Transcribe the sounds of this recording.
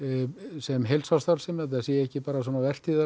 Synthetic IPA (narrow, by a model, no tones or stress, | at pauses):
sɛmɦelsawst̪awɾsɛmaθ̬as̬jɛɛhcɪpaːɾas̬ɔːnavɛr̥t̪iða